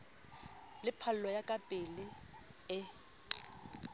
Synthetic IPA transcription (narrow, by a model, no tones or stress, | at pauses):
lɪpʰal̩lɔjakʼapʼɪlɪ | ɪ